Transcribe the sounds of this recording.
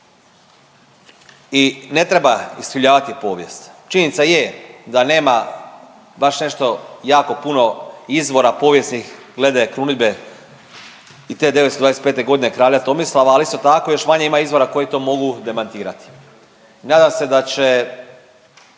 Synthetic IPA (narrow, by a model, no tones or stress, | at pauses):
ine̞t̪ɾebaist̪iʎaːʋat̪ipo̞ːʋje̞st̪t͡ʃiɲinit̪sajed̪ane̞ːma | baʃne̞ʃt̪o̞jaːko̞puno̞izʋo̞ɾapo̞ʋje̞snix | ɡle̞d̪akɾunibe | it̪e̞ːd̪eesod̪aːesepeːt̪e̞ɡo̞d̪inekɾaːʎat̪o̞mislˠaʋaːlist̪o̞t̪ako̞jo̞ʃmaɲeimaizʋo̞ɾako̞jit̪o̞ːmo̞ɡud̪e̞mant̪iːɾat̪i̥ | naːd̪amse̞d̪at͡ɕe